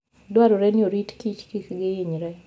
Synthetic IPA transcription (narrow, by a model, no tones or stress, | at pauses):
dwaɾoɾɛnɪoɾitkit͡ʃkikɡɪiɲɾɛ